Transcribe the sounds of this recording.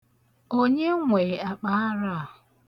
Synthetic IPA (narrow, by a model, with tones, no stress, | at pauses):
o˦ɲe˦ŋʷe˨a˨k͡pa˦a˦ɾa˦˨